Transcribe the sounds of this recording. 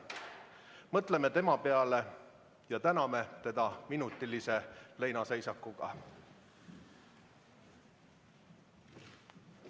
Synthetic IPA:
mɤt̪ˑle̞met̪e̞mɑpe̞ɑle̞ | jɑt̪ænɑme̞t̪e̞d̪ɑminut̪ˑːilise̞le̞jnɑse̞jsɑkːˑuɡ̥ɑ̰

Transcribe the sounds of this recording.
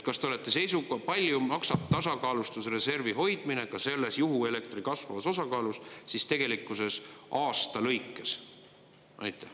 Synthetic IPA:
kɑst̪e̞ole̞t̪ːˑe̞se̞jsukɑpɑlʲjumɑksɑb̚t̪ɑsɑkɑːlust̪usre̞se̞rviɦo̞jd̪̥mine̞kɑse̞lːe̞sjuɦue̞le̞k̚t̪rikɑsvɑvɑso̞sɑkɑːlussist̪e̞ɡ̥e̞likːˑuse̞sɑːst̪ɑlɤjkːˑes | ʔɑ̰jt̪ːˑæh

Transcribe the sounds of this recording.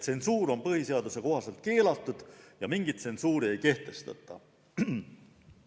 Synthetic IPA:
se̞nsuːɾo̞npɤhise̞ɑd̪use̞ko̞ɦɑse̞lt̪̚ke̞ːlɑt̪ːˑud̪̥jɑmiŋɡ̥it̪se̞nsuːɾie̞jke̞ht̪e̞st̪ɑ̰t̪ˑːɑ̰

